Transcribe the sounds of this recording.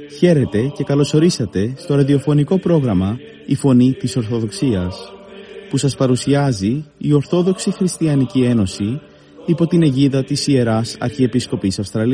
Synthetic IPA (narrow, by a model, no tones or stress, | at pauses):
çe̞ɾe̞t̪e̞ce̞kɐlo̞so̞ɾisɐt̪e̞st̪o̞ɾɐðio̞fo̞niko̞pɾo̞ɣɾɐmɐ | ifo̞nit̪iso̞ɾθo̞ðo̞ksiɐs | pusɐspɐɾusiɐziio̞ɾθo̞ðo̞ksixɾist̪iɐnicie̞no̞si | ipo̞t̪ine̞ʝiðɐt̪isie̞ɾɐsɐ̰ɾçie̞pisko̞pisɐfst̪ɾɐli